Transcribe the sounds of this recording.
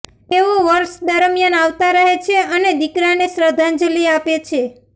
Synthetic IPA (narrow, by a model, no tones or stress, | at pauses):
eʋoʋəɾʃd̪əɾmjənaʋt̪aɾəɦet͡ʃʰeəned̪ikɾanesɾəd̪ʱənd͡ʒliapet͡ʃʰe